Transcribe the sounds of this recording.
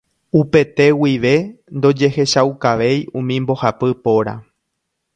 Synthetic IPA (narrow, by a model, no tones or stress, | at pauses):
upe̞t̪e̞wiʋe̞nd̪o̞d͡ʒe̞he̞ʃawkaʋe̞jũmĩmbo̞hapɨpo̞ɾa̰